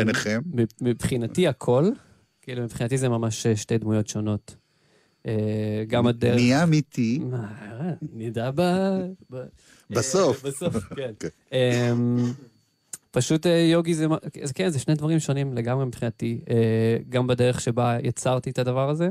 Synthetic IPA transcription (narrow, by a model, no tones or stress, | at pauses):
b̥eneχemmimipχinatiakʰo̞l | kilumipχinat̬izemamaʃeʃte̞jd̪mujo̞tʃo̞no̞t | eɡamadeiamit̪ʰimaʁenidababa | basofbasofken | em | paʃutejo̞ɡizemakkenzeʃne̞jdvaʁimʃo̞nimleɡamʁemipχinatieɡambadeʁeχʃebajat͡saʁt̪ietadavaʁaze̞